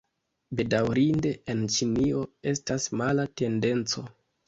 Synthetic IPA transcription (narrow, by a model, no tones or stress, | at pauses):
be̞dawɾinde̞ent͡ʃinio̞e̞stasmalate̞nde̞nt͡so̞